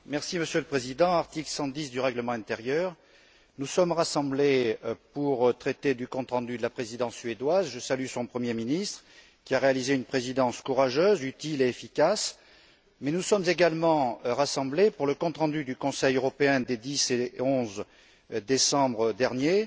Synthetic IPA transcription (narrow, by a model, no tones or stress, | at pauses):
mɛʁsiməsjøləpχezid̪ɑ̃aʁt̪iklsɑ̃d̪isd̪yʁɛɡləmɑ̃ɛ̃t̪eʁjœʁ | nusɔmʁasɑ̃blepuʁt̪χet̪ed̪ykɔ̃t̪χɑ̃d̪yd̪əlapχezid̪ɑ̃sːɥed̪wazʒəsalysɔ̃pχəmjeminist̪χə | kʲiaʁealizeynpχezid̪ɑ̃skuʁaʒøzyt̪ileːfikas | mɛnusɔmzeɡalmɑ̃ʁasɑ̃blepuʁləkɔ̃t̪χɑ̃d̪yd̪ykɔ̃sɛjøʁɔpeɛ̃d̪ed̪iseɔ̃z | d̪esɑ̃bʁəd̪ɛʁnje